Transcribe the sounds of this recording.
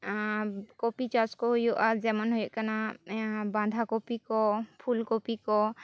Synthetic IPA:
kopit͡ʃaskɔɦujɔʔaɾd͡ʒɛmanɦujɔʔkana | bãnd̪ʱakopikɔpʰulkopikɔ

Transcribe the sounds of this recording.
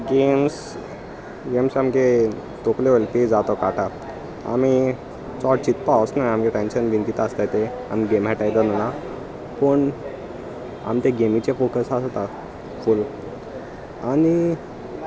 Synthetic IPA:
ɡems | ɡemsamke | t̪okleʋolp̪ed͡zat̪ɔkaʈʰa | a̰mi | t͡sɔʈ̚t͡ɕit̪pawsnaamkeʈɛ̃nɕənʋinkit̪aəst̪at̪e | amiɡemɦɛʈajd̪ɔnəna | pəɳ | a̰mt̪ẽɡemit͡ɕefokəsasot̪a | ful | ani

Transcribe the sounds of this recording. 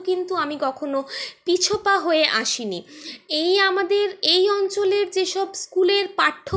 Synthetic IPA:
kint̪uamikɔkʰonopit͡ɕʰopaɦoeʔaʃiniejamad̪eɾejɔnt͡ɕoleɾd͡ʑeʃɔbskuleɾpaʈʰːo

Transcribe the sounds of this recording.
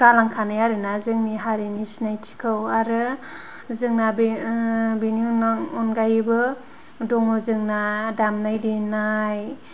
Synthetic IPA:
ɡ̥alaŋkʰanajaɾɯnazɯŋniɦaɾinisinajtʰi̥kʰɯwaɾɯ | zɯŋnab | binunɔnɡajbɯ | dɔŋɯzɯŋnadamnajdinaj

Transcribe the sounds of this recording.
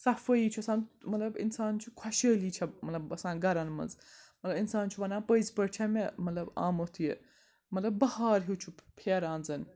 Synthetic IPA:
sɐfɐiːt͡ʃʰuɐsaːnmɐt̪lɐbḭnsaːnt͡ʃʰukʰɐʃəːliːt͡ʃʰɐmɐt̪lɐbɐsãːnɡɐɾɐnmɐ̰nzmɐt̪lɐbinsaːnt͡ʃʰuʋɐnaːpəjzpɐɾt͡ʃʰɐmemɐt̪lɐba̰ːmot̪ʰuje | mɐt̪lɐbːɐhaːɾɦut͡ʃʰupʰeːɾãːnzɐn

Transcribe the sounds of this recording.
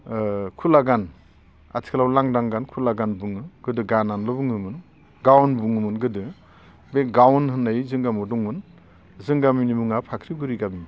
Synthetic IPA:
kʰulaɡan | a̰tʰi̥kʰlawlaŋdaŋɡankʰulaɡanbuŋɯɡ̥ɯdɯɡananlɔbuŋɯmɯn | ɡawnbuŋɯmɯnɡɯdɯ | beɡawnhɯnajzɯŋɡamɔdɔŋmɯn | zɯŋɡaminimuŋapʰakʰɾiɡuɾiɡami

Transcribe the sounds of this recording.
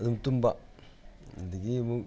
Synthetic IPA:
d̪umt̪umba | diɡimu

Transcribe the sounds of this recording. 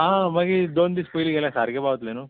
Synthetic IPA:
aːmɐɡid̪oːnd̪ispojliɡɐlesaɾɡebaːʋt̪leːnu

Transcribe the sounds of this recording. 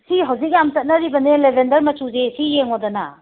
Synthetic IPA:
siɦawzik̚jamt͡ʃɐt̚nɐɾibɐnelebʱendɐɾmɐt͡ʃuzesijeŋodɔna̰

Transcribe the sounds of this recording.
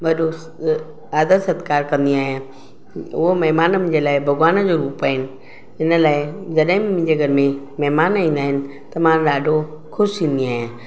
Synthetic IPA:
ɓɐɗo | aːd̪ət̪sɐd̪kaːɾkɐ̃nd̪iaːɦɪjã | ʊɦomɐɦmaːnmʊ̃ːɲd͡ʑelaːɪbʱɐɡwaːnəd͡ʑoːɾuːppaːɦɪnɪ̆ | ɪnəlaːɪd͡ʑɐɗɦɪ̃mʊ̃ːɲd͡ʑeɡʱəɾɪmẽ | mɐɦmaːnaĩːn̆d̪aːɦɪnɪ̆ | t̪ɐmãːɗaːɖʱo | kʰʊʃĩːnd̪iaːɦɪjãː

